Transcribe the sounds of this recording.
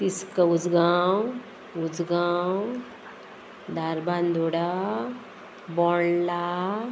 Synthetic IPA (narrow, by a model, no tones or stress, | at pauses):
piskəud͡zɡaw | ud͡zɡaw | d̪ʱaɾband̪ʱoɽa | bɔɽla